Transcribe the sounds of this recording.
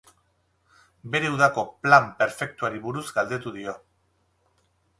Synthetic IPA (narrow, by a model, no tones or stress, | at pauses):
be̞ɾe̞uðako̞plampe̞ɾfe̞k̚t̪uaɾiβuɾuzɡald̪e̞t̪uðio̞